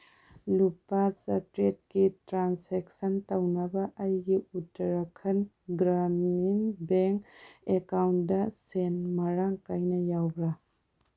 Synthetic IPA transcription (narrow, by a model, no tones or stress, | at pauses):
lupasɐtɾet̚ɡitɾansek̚sɐntɐwnɐbɐʔːjɡiutːɐɾɐkʰɐn | ɡɾamnbeŋkekawntdɐsenmɐɾaŋkajnɐjawbɾɐ